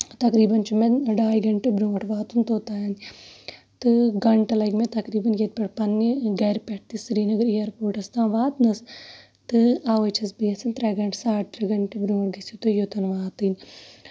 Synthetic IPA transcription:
t̪ɐkɾiːbɐnt͡ʃumenɖaːjɡɐɳʈebɾũːɐʈʋaːt̪unt̪oːt̪aːjɐn | t̪ɨɡɐɳʈɐlɐɡmẽt̪ɐkɾiːbɐnjet̪̚pɐʈpɐnɡɐːɾpeʈ̚ʰt̪isɾiːnɐɡɐɾijɐɾpoːɾʈɐst̪ãːʋaːt̪nɐs | t̪ɨaːʋɐt͡ʃʰɐsbiɐsɐnt̪ɾɐɡɐɳʈsaːʈɾɐɡɐɳʈebɾũːɐʈɡɐsut̪ojot̪ɐnʋaːt̪in

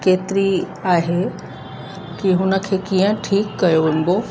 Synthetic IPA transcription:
keːt̪ɪɾi | aːɦe | kiɦʊnə̆kʰeːkiːə̃ʈʰiːkːɐjoʋɪ̃n̆b̪oː

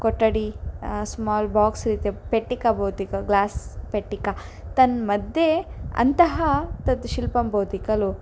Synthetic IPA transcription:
koʈːɐɽismaːlbaːksɾit̪epeʈːikɐbɐwt̪ikɐɡlaːspeʈːikat̪ɐnmɐd̪jeɐ̰nt̪ɐɦɐt̪ɐt̪ʃilpɐmbɐwt̪ikɐlu

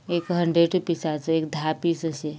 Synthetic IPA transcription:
ekɦəɳɖɾeɖʈupisasekd̪ʱapisəse

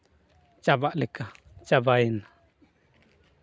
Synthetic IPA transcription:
t͡ʃabaʔlika | t͡ʃabaina

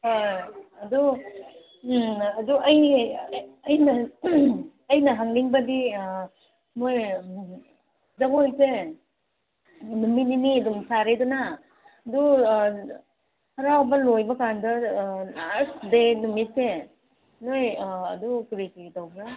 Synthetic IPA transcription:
hajɐdu | ɐduʔɐjː | jnɐ | ɐjnɐɦaŋniŋbɐdi | moj | zɐɡojse | numininiɐdumsaɾeduna | du | kɐɾawbɐlojbɐkandɐ | asdenumit̚se | nojɐdukɾikitawbɾa

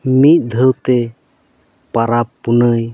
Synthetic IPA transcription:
mit̪̚ˀd̪ʱəwt̪ɛ | paɾapːunəj

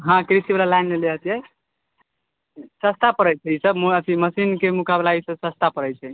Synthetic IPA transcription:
ɦãkɾisibelalajnmeleɦət̪jɛ | səst̪apəɾəjt͡ʃʰɛisəbət̪ʰiməsinkemukablaisəbsəst̪apəɾəjt͡ʃʰɛ

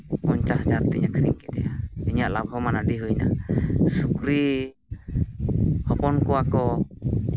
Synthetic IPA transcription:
pɔɲt͡ʃasad͡ʒaɾt̪ɛɲakʰɾḭŋkɛd̪ɛjaiɲaʔlabʱɦɔmanaɖiɦujna̰sukɾi | hɔpɔnkɔwakɔ

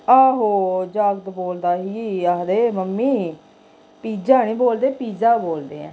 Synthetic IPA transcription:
aːɦoːd͡ʒaːɡt̪boːld̪aːɦiːaːd̪eːməmːiː | piːd͡ʒaːnĩːboːld̪eːpiːd͡ʒaːboːld̪eːɛ̰̃ː

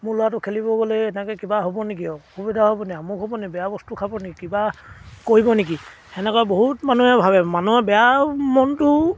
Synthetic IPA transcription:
mʊlʊwat̬ʊkʰelibɔɡɔlɛːnɛkɛkibaɦobɔnik̬iɔxubidʱaɦobɔniamukɦobɔnibɛjabɔstukʰabɔnekikibakoɹibɔnik̬i | ɛnɛkɔjboɦutmanuɛbʱabɛmanuɛbɛjamɔntʊ

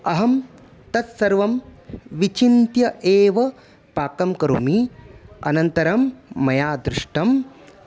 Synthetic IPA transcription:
ɐɦɐm | t̪ɐt̪sɐɾʋɐmʋit͡ʃint̪jɐʔeːʋɐ | paːkɐmkɐɾṵmiɐ̰nɐnt̪ɐɾɐmːɐjaːd̪ɾuʂʈɐm

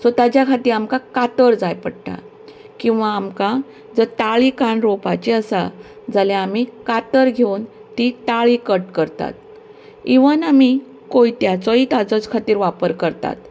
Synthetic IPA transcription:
sət̪ad͡ʑjakʰat̪iːɾamkakat̪əɾd͡zajpəɽʈ̪a̰ | kĩw̃ʋaːmka | d͡zət̪aɭikaɳɾopat͡ɕeəsa | d͡zaljaamikat̪əɾɡʱeuːnt̪it̪aɭikəʈkəɾt̪a̰t̪̚ | iʋənami | koit̪jat͡sɔit̪at͡sɔt͡skʰat̪iːɾʋapəɾkəɾt̪a̰t̪

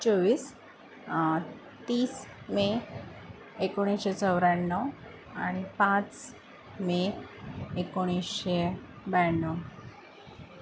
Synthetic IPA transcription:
t͡sɔʋiːs | t̪iːs | me | ekoɽ̃isɕet͡sɔʋɾaɳːɔ | aɽ̃ipãt͡s | me | ekoɽ̃isɕe | bɛnːɔ

